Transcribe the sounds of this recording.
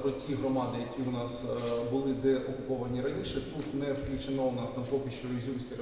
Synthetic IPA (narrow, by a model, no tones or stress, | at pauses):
pɾɔtʲiɦɾɔmɑd̪ɪjɐkʲiwnɑsbʊlˠɪd̪ɛʔɔkʊpɔʋɐnʲiɾɐnʲiʃɛt̪ut̪nɛwkʲit͡ʃɪnɔnɑst̪ɑmpɔkʲɪʃt͡ʃɔɾʲzʲusʲkʲi